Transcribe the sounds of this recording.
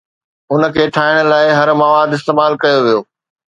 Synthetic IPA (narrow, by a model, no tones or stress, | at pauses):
ʊnə̆kʰeːʈʰaːɪɽ̃̆laːɪɦɐɾmɐʋaːd̪ɪs̬t̪eːmaːlkɐjoʋijoː